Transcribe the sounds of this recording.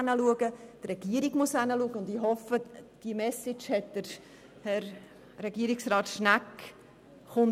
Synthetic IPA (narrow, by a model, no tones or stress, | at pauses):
nəluəɡəd̥rɛɡ̥iəɾiɡmusanəluəɡəʊndiɦɔfəd̥iəmɛsɪt͡ʃhɛt̚d̥əɾ | hɛɾ | ɾɛɡiːəɾɪksrɑːtʃnæk | χʊn